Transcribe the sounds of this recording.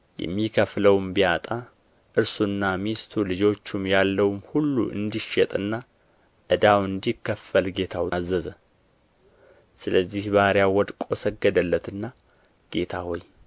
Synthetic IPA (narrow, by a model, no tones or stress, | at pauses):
jɛ̰mːikʰəfləwmbiat̪ʼa | ʔɨɾsunːamist̪ʰulɨd͡ʒo̞t͡ʃːumjalːəwmhulːṵʔɨ̰nd̪iʃːɛt̪ʼɨnːa | ʔɨd̪awɨnd̪ikːəfːəlɡe̞t̪ʰawzːəzə | sɨləzːihbaɾjawɔd̪kʼo̞səɡːəd̪əlːət̪ɨnːa | ɡ̥e̞t̪ʰaho̞j